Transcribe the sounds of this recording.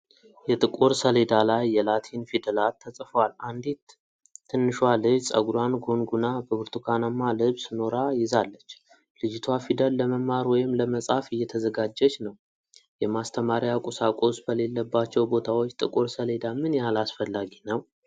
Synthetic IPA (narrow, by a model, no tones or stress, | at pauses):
jɛt̪ʼɨkʼuɾsəled̪alajːɛlat̪ʰinfid̪əlalt̪ʰːəsʼfəwaland̪et̪ʰː | ɨnːɨʃwalɨsʼə̰ɡuɾwanɡo̞ŋɡunabəβɨɾt̪ʰukʰanamːalɨβsɨno̞ɾajɪzalːət͡ʃː | lɨd͡ʒɪt̪ʰwafid̪əlːəməmaɾwɔjɪmləməsʼafɨjːɛt̪ʰəzəɡad͡ʒːət͡ʃːnəw | jɛmast̪ʰəmaɾjakʼusakʼo̞sbəle̞lːəbːat͡ʃːɛwbo̞t̪ʰawo̞t͡ʃːt̪ʼɨkʼuɾsəle̞d̪amɨnjalasfəlːaɡinəw